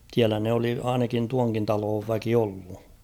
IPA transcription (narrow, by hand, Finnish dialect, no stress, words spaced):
s̝iælæ ne oli ɑinɑkin tuɑŋkin tɑloːʋ ʋæki olːu